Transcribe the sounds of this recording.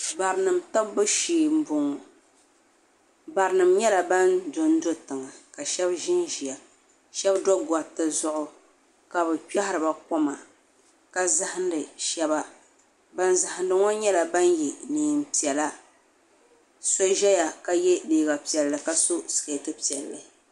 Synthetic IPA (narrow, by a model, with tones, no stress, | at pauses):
ba˨ɾnɨ˨mta˦bʊ˦ʃiː˨m̩˦bʊ˨ŋɔ˨ | ba˨ɾnɨ˨mɲɛ˦la˨ba˦ndo˨n˦do˦tɨ˨ŋa˨ka˨ʃɛ˦bʒɪ˦nʒi˨ja˨ | ʃɛ˦bdɔ˦ɡa˨tɨ˦zʊ˦ʔʊ˦ | ka˨bɨ˨k͡pa˦hɪ˦ɾɨ˨ba˨kɔ˦ma˨ | ka˦za˦hɪ˦n˦dɨ˨ʃɛ˦ba˦ | ba˦nza˨ha˨n˦dɨ˦ŋɔ˦ɲɛ˦la˨ba˦n˦ji˨niː˨m˨pi˨ɛ˨la˦ | so˦ʒɛ˦ja˨ka˦jɛ˦biː˨˦˨ɡa˨pi˨ɛ˨lːɨ˨ka˦so˦sɨ̥˨ke˨tɨ˦pi˨ɛ˨lːɨ˨